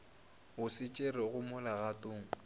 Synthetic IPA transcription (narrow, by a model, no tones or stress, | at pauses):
ɣʊsɪt͡ʃʼerɪɣʊmʊlaɣatʼʊːŋ̩